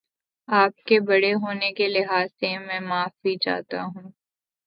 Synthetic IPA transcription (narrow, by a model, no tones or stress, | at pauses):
aːp̚kebɐɽeɦoːnekelɪɦaːsːemɛ̃ːmaːfbid͡ʒa̰ːt̪aɦũː